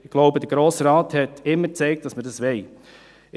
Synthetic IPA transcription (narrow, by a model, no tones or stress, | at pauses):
ɪɡ̥loʊbədəɾɡ̥ɾoːsɾɑːthɛtɪmːət͡sɛɪk̚t̚d̥ɑsmədɑsʋɛɪ